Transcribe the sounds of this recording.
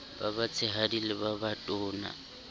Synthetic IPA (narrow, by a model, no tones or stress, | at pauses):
babat͡sʰɪɦadilɪbabatʼʊːna̰